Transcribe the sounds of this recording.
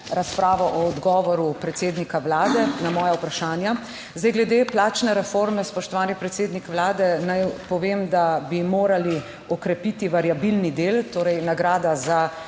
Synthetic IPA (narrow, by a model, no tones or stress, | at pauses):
ɾaspɾaːʋɔʔɔːd̪ɡɔːʋɔɾupɾɛt̪seːd̪nikaʋlaːd̪ɛnamɔːjaupɾaʃaːnja | zd̪ajɡlɛd̪eplaːt͡ʃnɛɾɛfoɾmɛspɔʃt̪ɔʋaːnipɾɛt̪seːd̪nikʋlaːd̪ɛnajpɔʋeːmd̪abimoːɾali | ɔkɾɛpit̪iʋaɾjabilnid̪eːlt̪oːɾɛjnaɡɾaːd̪aza